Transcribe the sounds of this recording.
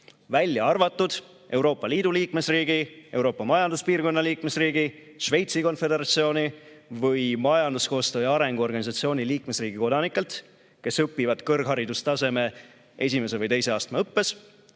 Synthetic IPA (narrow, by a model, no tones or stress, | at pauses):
vælʲːjɑɑrvɑt̪ːˑud̪̥ | e̞wɾo̞ːpːɑliːd̪uliːkme̞sriːɡ̥ie̞wɾo̞ːpːɑmɑjɑnd̪uspiːrko̞nːɑliːkme̞sriːɡi | ʃve̞jt̪siko̞nfe̞d̪eɾɑt̪sio̞ːnʲi | vɯjmɑjɑnd̪̥usko̞ːst̪øːjɑɾe̞ŋɡ̥uo̞rɡɑnʲisɑt̪sio̞ːnʲiliːkme̞sriːɡ̥iko̞d̪ɑnikːˑe̞lt̪ | ke̞sɤpːivɑd̪kɤrɡ̥ɦɑɾid̪ust̪ɑse̞me̞ | e̞sime̞sevɯjt̪ejse̞ɑːst̪meɤpːe̞s